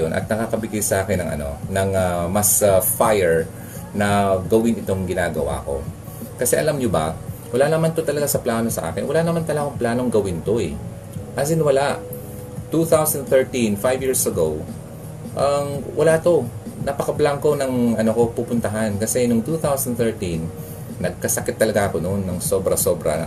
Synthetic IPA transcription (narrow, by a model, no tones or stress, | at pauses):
onʔɐ̰t̪̚nɐkakɐbɪɡɪsɐʔaːkɪnːɐŋʔɐ̰no̞̰nɐŋamɐsfajɛɹ | nɐɡɐwɪnɪt̪o̞ŋɡɪnaːɡɐ̰wa̰ːko̞̰ | kɐsɛʔɐlamɲobɐ̰wɐlanɐmant̪ot̪ɐlɐɡasɐplaːno̞sɐʔa̰ːkɪnwɐlanɐmant̪ɐlaɡoŋplaːno̞ŋɡɐwɪnt̪o̞ʔɛ̰ | ʔɐsɪnwɐlaʔ | t̪uθawsɐnd̪θɛɹt̪infajvjiːɹsʔɐɡow | ʔɐŋwʔɐ̰lat̪o̞nɐpɐkɐblaŋko̞nɐŋɐnoko̞pupʊnt̪ɐɦankɐsɛnʊŋt̪uːθawsɐnθɛɹt̪inː | ɐɡ̚kɐsɐkɪt̪ːɐlɐɡaʔɐko̞nonːɐŋso̞bɾɐso̞bɾɐ̰